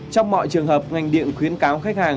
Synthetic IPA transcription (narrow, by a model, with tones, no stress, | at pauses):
t͡ɕɔ˧wŋ͡mmɔ̰˧˨jt͡ɕɨ˨˩əŋhəː˨˩p̚ŋa˨˩jŋ̟ɗḭ˧˨ənxwi˨˦ənkaː˨˦wxa˦˥k̚haː˨˩ŋ